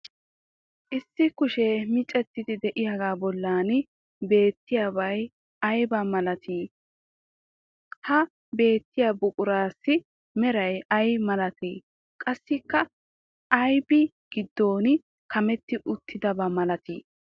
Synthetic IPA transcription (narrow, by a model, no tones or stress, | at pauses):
ʔɪsːɪkʊʃɛmɪt͡ʃʼɛt̪ːɪd̪ɪd̪ɛʔɪjɐɡaːbɔlːaːn | be̞ːt̪ːɪjabɐj | ɐjbɐmɐlɐt̪ʰiː | hɐ | be̞ːt̪ːɪjɐbʊkʼʊɾaːsːɪ | mɛɾɐjɐjmɐlɐt̪iː | kʼɐsːɪkːɐ | ʔːjbɪ | ɡ̥ɪd̪ːo̞ːnɪ | kɐmɛt̪ːɪʔʊt̪ːɪd̪ɐbɐmɐlɐt̪ḭː